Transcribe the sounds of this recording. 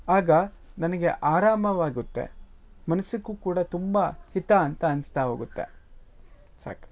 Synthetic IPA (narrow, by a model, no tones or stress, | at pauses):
aːɡɐnɐnɐɡe̞̰ʔaːɾaːmɐʋaːɡut̪ːḛ | mɐnɐsikuːkuːɽɐt̪umbɐhit̪aːnt̪ɐɐnst̪aɦoːɡut̪ːe̞̰ | sa̰ːk